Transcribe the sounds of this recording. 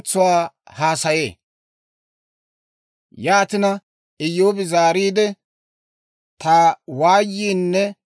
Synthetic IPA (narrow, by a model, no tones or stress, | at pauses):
t͡sːʊwaːhaːsɐjeː | jaːt̪ɪnɐ | ɪjːoːbɪzaːɾiːd̪ɛ | t̪aːwaːjːiːnːɛ